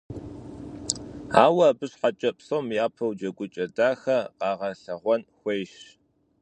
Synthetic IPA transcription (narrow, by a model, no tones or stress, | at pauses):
aːwɐbɨɕħat͡ʃʼɐpsoːmjaːpʰɐwd͡ʒɐɡʷʊt͡ʃʼɐdaːxɐqɑːʁɐɬɐʁʷɔnxʷejʃ